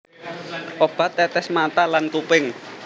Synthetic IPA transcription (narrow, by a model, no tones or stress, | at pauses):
ʔob̥a̤t̪ːɛt̪ɛsmat̪alankupɪŋ